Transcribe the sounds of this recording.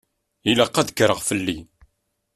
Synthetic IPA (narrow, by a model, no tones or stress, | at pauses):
ilaqːæðəkːɾˤəʁfəlːi